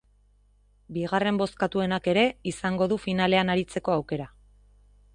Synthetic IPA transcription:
biɣare̞mbo̞skat̪ue̞nake̞ɾe̞isaŋɡo̞ðufinale̞anaɾit͡se̞ko̞awke̞ɾa

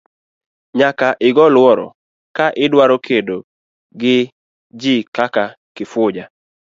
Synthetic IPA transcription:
ɲakaʔɪɡɔlwɔɾɔ̰ | kaʔɪdwaɾɔkʰedo | ɡɪ | d͡ʒɪkaka | kɪfʊd͡ʒa

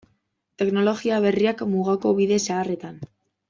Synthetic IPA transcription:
t̪e̞kno̞lo̞ɣiaβ̞e̞riakmuɣako̞βiðe̞saːre̞t̪an

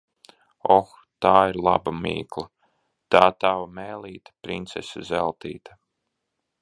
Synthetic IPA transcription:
ɔx | t̪aːiɾlˠa̰bamḭːklˠa | t̪aːt̪awamɛːlʲiːt̪ḁpɾint̪sesazɛlˠt̪iːt̪a

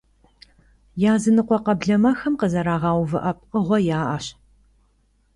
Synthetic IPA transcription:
jaːzɨnɨqʷɔqɐbɮɐmɐxɐmqəzɐɾaːʁɑːwvɨʔɐp̚qəʁʷɔjaːʔɐɕ

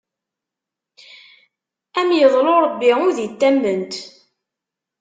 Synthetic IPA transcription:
æmjəðˤloɾˤəbːiʊðit̪ːæmːənt̪

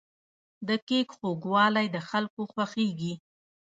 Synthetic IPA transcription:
d̪əkekxoɡwɑlajd̪əxalkoxwaxeɡi

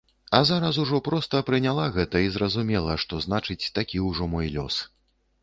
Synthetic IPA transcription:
ɐzaɾɐs̬uʐɔpɾɔst̪ɐpɾɨnʲalˠaɣɛt̪ɐizrɐzumʲɛlˠɐʂt̪ɔznat͡ʂɨt͡sʲt̪akʲiwʐɔmɔjlʲɔ̰s

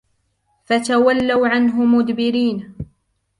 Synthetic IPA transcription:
fat̪awalːawʕanɦʊmʊd̪bɪɾiːn

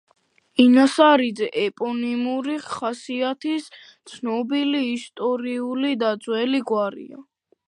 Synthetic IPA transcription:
inasaɾid̪zɛʔɛpʼɔnimuɾiχasiat̪ʰis | t̪sʰnɔbiliːst̪ʼɔɾiulid̪ad̪zwɛliɡwaɾḭa̰

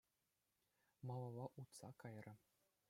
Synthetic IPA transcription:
mɑlˠɑʋɑʔut̪sɑkɑjrɤ̆

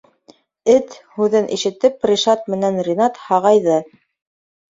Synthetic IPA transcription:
ɘt̪hʉðɘnʔiʃɘ̆t̪ɘp̚prʲiʃɑt̪̚mɘ̆nænrʲinɑt̪hɑʁɑjðɤ

